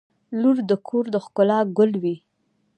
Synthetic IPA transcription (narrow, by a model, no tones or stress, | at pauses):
luɾd̪əkʰoɾd̪əxkʊlɑɡʊlwi